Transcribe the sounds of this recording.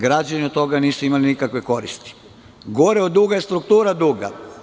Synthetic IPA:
ɡɾad͡ʑaniot̪t̪ːo̞ɡaniːsuimalinikakʋe̞ko̞ɾist̪i̥ | ɡoɾeod̪uɡajest̪ɾuk̚t̪uːɾad̪uːɡa̰

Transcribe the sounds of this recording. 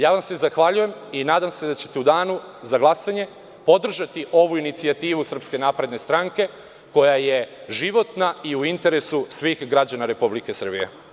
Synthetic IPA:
jaːʋamse̞zaxʋaʎuje̞minaːd̪amse̞d̪at͡ɕe̞t̪e̞ud̪aːnuzaɡlˠasaɲe̞ | po̞d̪r̩ʒat̪iʔo̞ʋuinit̪siat̪iːʋusr̩pske̞napɾe̞d̪ne̞st̪ɾaŋke̞ | ko̞jaje̞ʒiʋo̞t̪naiuint̪e̞ɾe̞susʋiːxɡɾad͡ʑanaɾe̞publike̞sr̩bijḛ

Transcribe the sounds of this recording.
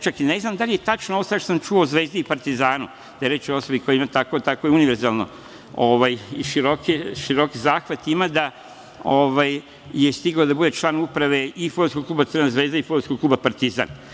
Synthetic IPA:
t͡ʃakine̞znamd̪alijet̪at͡ʃnooosaʃt̪osamt͡ʃuouzʋeːzd̪iipaɾt̪izaːnu | d̪̥ajeɾet͡ʃoo̞sobikojeimat̪akot̪akojeuniʋeɾzaːlno̰ | oʋajiʃiɾokiʃiɾo̞kizaːxʋat̪imad̪a | oʋaj | jest̪iɡod̪abud̪e̞t͡ʃlˠaːnupɾaʋe̞ifoɾtskoɡ̚kluːbat̪səɾnazʋeːzd̪aifoɾtskoɡ̚klˠuːbapaɾt̪iza̰ːn

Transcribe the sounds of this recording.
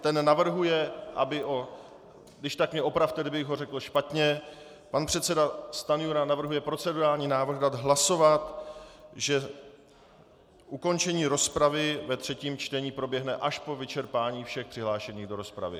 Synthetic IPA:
t̪ɛnːavr̩ɦujɛʔa̰bɪʔo | dɪʃt̪akmɲɛo̞pɾaft̪ɛdɪbɪɣɦo̞rɛkl̩ʃpat̪ɲɛ | panpr̝̥ɛt̪sɛdast̪anɪjuɾanavr̩ɦujɛpɾo̞t͡sɛduɾaːlɲiːnaːvɾr̩ɣdad̪ɦlaso̞vat̪ | ʒɛ | ʔuko̞nt͡ʃɛɲiːɾo̞spɾavɪvɛt̪r̥ɛciːmt͡ʃt̪ɛɲiːpɾo̞bjɛɦnɛʔaʃpo̞vɪt͡ʃɛɾpaːɲiːfʃɛxpr̥ɪɦlaːʃɛɲiːɣdo̞ɾo̞spɾa̰vɪ̰

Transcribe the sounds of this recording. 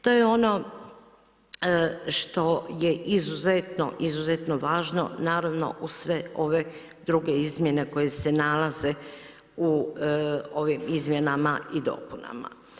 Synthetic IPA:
t̪o̞jeo̞no̞ | ʃt̪o̞je̞ʔizuzet̪no̰ʔizuzet̪no̞ʋaːʒno̞̰naːɾaʋno̞̰ʔusʋe̞o̞ʋe̞ | d̪ɾuɡe̞izmje̞ne̞ko̞je̞se̞nalaze̞ | u | o̞ʋimizmje̞namaʔid̪o̞̰ːkuna̰ma̰

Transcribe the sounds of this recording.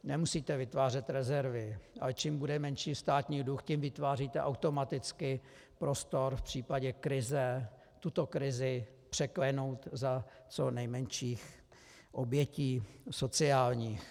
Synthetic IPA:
nɛmusiːt̪ɛvɪt̪vaːr̝ɛt̪ɾɛzɛɾvɪʔa̰lɛt͡ʃiːmbudɛmɛnʃiːst̪aːt̪ɲiːduxcimvɪt̪vaːriːt̪ɛʔawt̪o̞mat̪ɪt͡skɪ | pɾo̞st̪o̞ɾfpr̝̥iːpaɟɛkɾɪzɛ | t̪ut̪o̞kɾɪzɪ | pr̥ɛklɛno̞wt̪za | t͡sonɛjmɛnʃiːx | ʔobjɛciːso̞t͡sɪaːlɲiːx

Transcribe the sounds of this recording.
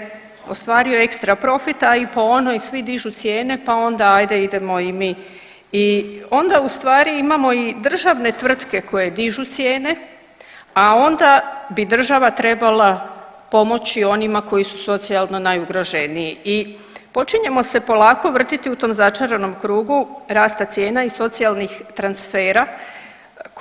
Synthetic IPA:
o̞̰st̪ʋaːɾio̞e̞kst̪ɾapɾo̞fit̪aipo̞onojsʋid̪iʒut̪sje̞ːne̞pao̞nd̪aajd̪e̞id̪e̞mo̞imi | io̞nd̪aust̪ʋaːɾiimamo̞id̪r̩ʒaʋne̞t̪ʋr̩d̪ke̞ko̞je̞d̪iʒut̪sje̞ːne̞ | ao̞nd̪abid̪r̩ʒaʋat̪ɾe̞balˠapo̞mo̞t͡ɕio̞nimako̞jisu̥so̞t̪sialˠno̞najuɡɾo̞ʒeniii | po̞t͡ʃiɲe̞mo̞se̞po̞lˠaːko̞ʋr̩t̪it̪iut̪o̞ːmzat͡ʃaɾe̞no̞mkɾuːɡuɾaːst̪at̪sje̞ːnaiso̞t̪sialˠnixt̪ɾansfe̞ːɾa

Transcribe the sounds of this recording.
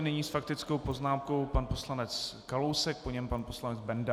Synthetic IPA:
nɪɲiːsfakt̪ɪt͡sko̞wpo̞znaːmko̞wpanpo̞slanɛt͡skalowsɛk̚po̞ɲɛmpanpo̞slanɛd͡zbɛnda

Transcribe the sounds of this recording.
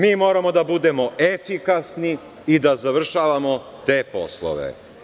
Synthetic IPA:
miːmo̞ːɾamo̞d̪abud̪e̞mo̞ʔefikasni | id̪azaʋr̩ʃaːʋamo̞ | t̪e̞ːpo̞̰slˠo̰ʋḛ

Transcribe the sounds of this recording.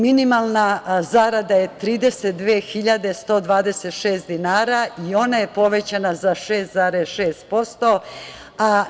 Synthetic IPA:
minimalˠnazaɾad̪aje̞t̪ɾiːd̪e̞set̪̚d̪ʋeːxiʎad̪est̪o̞ːd̪ʋaːd̪eset̪ʃeːsd̪inaːɾaio̞naje̞po̞ʋe̞t͡ɕanazaʃe̞ːst̪zaɾesʃeːst̪̚po̞st̪o̞ | a

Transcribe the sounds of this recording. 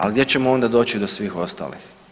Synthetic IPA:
a̰lɡd̪jet͡ɕe̞moo̞nd̪ad̪o̞ːt͡ɕid̪o̞sʋiːxo̞st̪a̰ːlḭx

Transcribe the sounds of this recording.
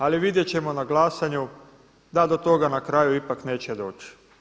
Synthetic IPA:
aliʋid̪je̞t͡ɕe̞mo̞naɡlaːsaɲu | d̪ad̪ot̪o̞ɡanakɾajuipakneːt͡ɕed̪o̞ːt͡ɕ

